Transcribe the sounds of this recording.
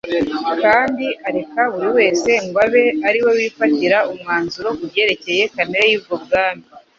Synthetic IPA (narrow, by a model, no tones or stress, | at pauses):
kaːndiʔaɾe̞kaβuɾiwe̞ːse̞ŋɡwaβe̞aɾiwe̞wiːfatiɾaumŋaːnzuɾo̞kuɟe̞ːɾe̞ce̞je̞kameɾejiːbɡo̞bɡaːmi